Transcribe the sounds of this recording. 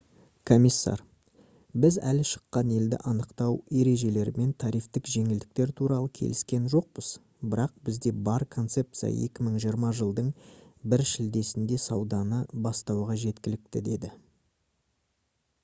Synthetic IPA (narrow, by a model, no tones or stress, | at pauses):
kʰo̞mʲisːɑ̰ɾ | bɪzæ̰lʃə̥qːɑne̞ld̪ɪ̰ʔɑnəqt̪ɑwe̞ɾe̞ʒe̞le̞ɾme̞nt̪ʰɑɾijft̪ɪkʒe̞ŋɪld̪ɪk̚t̪e̞ɾt̪ʰuɾɑlˠəkʲʰe̞̰lɪskʲe̞nʒo̞q̚bəz̥ | bɪɾɑq̚bɪzd̪e̞bɑɾkʰo̞nt̪se̞p̚t̪sɨja̰je̞̰kʲɪməɴʒijəɾmɑʒəlˠd̪əɴbɪɾʃɪld̪e̞sɪnd̪e̞sɑwd̪ɑnəbɑst̪ɑwʁɑʒe̞t̪kʲɪlɪk̚t̪ɪd̪e̞d̪ɪ